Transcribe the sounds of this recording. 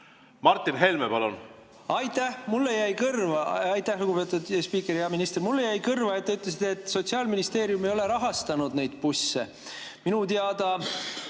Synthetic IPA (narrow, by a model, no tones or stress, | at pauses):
mɑrt̪ˑːinɦelmepɑlun | ɑjt̪æhmulːejæjkɤrvɑɑjt̪ːˑæhluɡupe̞ːt̪ˑud̪espiːkːˑeɾiɑminist̪ermulːejæjkɤrvɑet̪ːeyt̪ːˑles̬it̪ːˑet̪ːˑso̞t̪siɑːlminist̪e̞ːɾjumejo̞le̞ɾɑɦɑst̪ɑnud̪̥ne̞jd̪̥̚pusːḛ | minut̪eɑd̪ɑ